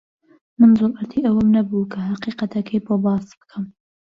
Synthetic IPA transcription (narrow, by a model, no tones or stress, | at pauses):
mɨnzolʔɐɾt̪ʰiʔɐwəmnɐbukʰɐhɑqiqɐt̪ʰɐkʰejpʰobɑːsbɨ̥kʰɨm